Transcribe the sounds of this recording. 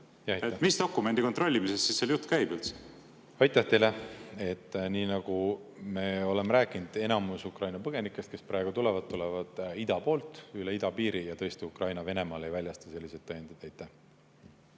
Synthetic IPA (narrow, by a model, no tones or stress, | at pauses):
jɑjemist̪o̞kːume̞nd̪iko̞nt̪ro̞lʲːimisest̪sisːeljut̪ːˑkæjbylt̪s | ɑjt̪ːˑɑht̪ejlee̞t̪ːˑniːnɑɡ̥ume̞ːo̞le̞meɾæːkˑind̪̥e̞nɑmusukrɑjnɑpɤɡ̥e̞nikːˑe̞st̪ke̞sprɑeɡ̥ut̪ulɛvɑd̪̚t̪ːulɛvɑd̪̥id̪ɑpo̞ːlt̪ˑyleid̪̥ɑpiːɾijɑt̪ɤ̞est̪iukrɑjnɑve̞ne̞mɑːle̞jvælʲjɑst̪ɑ̥se̞lʲːise̞d̪ːɑjɑnd̪̥id̪ɑjt̪ːˑæh